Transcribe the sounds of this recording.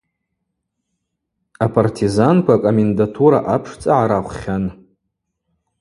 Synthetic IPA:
apʰartʰizankʷakʼomendatʰuɾa̰ʔapʰʂt͡sʼaʕaɾaχʷχʲan

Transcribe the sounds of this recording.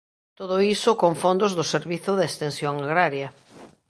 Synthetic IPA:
t̪oðoisokoɱfond̪ozðʊseɾβiθʊðest̪ensjoŋaɣɾaɾja

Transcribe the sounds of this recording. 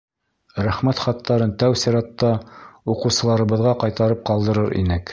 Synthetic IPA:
ɾæχmæt̪χɑt̪ːɑɾɤnt̪æwsiɾɑt̪ːɑuqɤ̆wsɤ̆lˠɑɾɤ̆βɤ̆ðʁɑqɑjt̪ɑɾɤp̚qɑlˠd̪ɤ̆ɾɤɾḭnɘk

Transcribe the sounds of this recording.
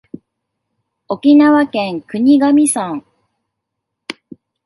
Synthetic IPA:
o̞kʲinaβakẽŋkɯ̟ɲ̟iɡamʲisãŋ

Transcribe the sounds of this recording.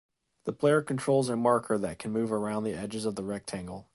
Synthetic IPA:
ðəpʰl̥eɪə˞kn̩tʰɹ̥oʊlˠzəmɑɹkʰə˞ðɨt̚kʰn̩mʉvə˞ãʊ̃nðiɛd͡ʒɨzʌvðəɹɛk̚tʰæ̃ŋɡl̩ˠ

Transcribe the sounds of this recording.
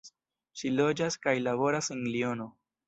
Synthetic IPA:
ʃilo̞d͡ʒaskajlaβo̞ɾasenlio̞no̞

